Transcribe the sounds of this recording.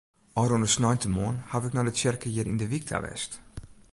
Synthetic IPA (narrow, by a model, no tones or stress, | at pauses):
ɔɾɔndəsnɔjntəmɔːnhavɪknɔdətsɛrkəjɪəɾḭndəʋik̚tʰa̰ʋɛ̰st